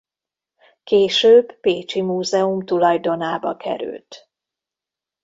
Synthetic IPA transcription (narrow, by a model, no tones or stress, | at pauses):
keːʃøːbːeːt͡ʃimuːzɛumt̪ulɒjd̪o̞naːbɒkʰɛ̰ɾy̰lt̪